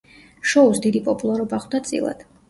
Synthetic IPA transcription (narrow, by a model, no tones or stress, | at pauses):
ʃɔusd̪id̪ipʼɔpʼulˠaɾɔbaχwd̪at̪sʼḭlˠa̰d̪̥